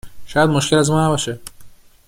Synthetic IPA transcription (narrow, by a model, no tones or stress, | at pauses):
ʃɒːjæd̪moʃcʰelæzmɒːnæbɒːʃe